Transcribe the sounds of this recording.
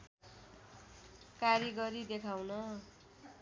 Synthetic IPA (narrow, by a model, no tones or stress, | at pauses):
kaɾiɡʌɾid̪ekʰawnʌ